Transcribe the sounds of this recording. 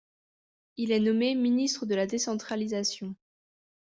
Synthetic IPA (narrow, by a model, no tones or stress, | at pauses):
ilɛnɔmeminist̪χəd̪əlad̪esɑ̃t̪χalizasjɔ̃